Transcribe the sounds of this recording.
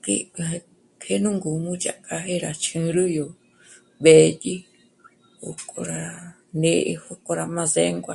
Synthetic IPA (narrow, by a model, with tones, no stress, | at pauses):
kḭ˦˧e˧ | kʰe˦nũ˦ŋɡu˨mũ˦t͡ʃa̰˨ka˧ɦe˦ɾa˧t͡ʃʰɨ̃˧ɾɨ˦jo˧ | βe˨t̪ʲi˦ | o̰˧kʼo˧ɾa˧ | nẽ˧˦ʔḛ˧ho˦ko˧ɾa˧mã˧ze˦ŋɡʷa˧